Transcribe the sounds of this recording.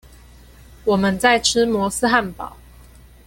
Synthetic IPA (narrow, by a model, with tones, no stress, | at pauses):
wɔ˨˩mə˦nt͡sa˥˨ɪʈ͡ʂ̩ʰ˥mwɔ˧˦s̩˦xa˥˩npɑ̰˨˦ʊ